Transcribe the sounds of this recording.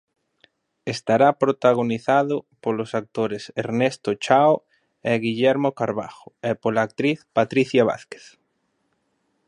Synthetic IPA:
est̪aɾapɾot̪aɣ̞oniθaðopolosak̚t̪oɾeseɾnest̪ot͡ʃao | eɣiʎɛɾmokaɾβa̰xo̥epolaːk̚t̪ɾiθpat̪ɾiθjaβ̞a̰θke̥θ

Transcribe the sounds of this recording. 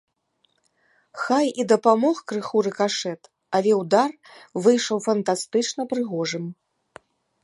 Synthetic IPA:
xajid̪ɐpamɔxkɾɨxuɾɨkaʂɛt̪ | alʲɛwd̪ar | vɨjʂɐwfɐnt̪ast̪ɨt͡ʂnɐpɾɨɣɔʐɨm

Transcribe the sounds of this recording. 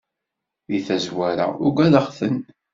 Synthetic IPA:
iθæzwæɾa̰ʊɡʷæðəχθən

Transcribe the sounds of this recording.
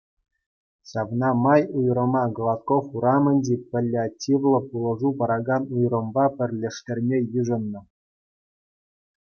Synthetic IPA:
ɕɑʋnɑmɑjujɾɤ̆mɑɡlˠɑt̪kofuɾɑmɤ̆nʲdʲipʲɘ̆lʲːeatʲːiʋlˠɤ̆pulˠɤ̆ʐupɑɾɑɡɑnujrɤ̆mbɑpʲɘ̆rʲlʲĕʂtʲĕrʲmʲejyʐɤ̆nːɤ̆

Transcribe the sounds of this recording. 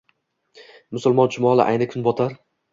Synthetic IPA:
mʊsʊlˠmɒnt͡ʃʰʊmɒlˠɪ̰ʔa̰jnɪkʰʊnbɒt̪ʰaɾ

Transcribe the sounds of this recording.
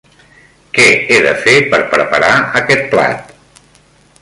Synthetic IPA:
kɛeðəfepəɾpɾəpəɾaəkɛt̪̚pla̰t̪

